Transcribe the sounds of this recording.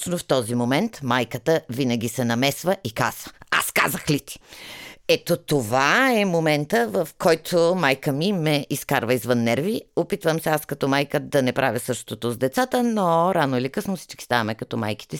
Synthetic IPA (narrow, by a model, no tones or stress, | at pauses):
t͡ʃnoft̪ɔzimomɛnt̪majkət̪əvinɐɡ̟ʲisɛnɐmɛsvəʔikazvəa̰ska̰zəxlit̪i̥ | ɛt̪ot̪ovaɛmomɛnt̪əvɐfkʰɔjt̪ʰomajkəmimɛʔiskaɾvəizvənːɛɾviopit̪vəmsɛaskɐt̪ɔmajkəd̪ɐnɛpɾʔavʲjəsɤʃt̪ot̪ozd̪ɛt̪sat̪ənoɾanoilikɤsnosi̥t͡ʃkʲi̥st̪avəmɛkɐt̪ɔma̰jki̥t̪ɛ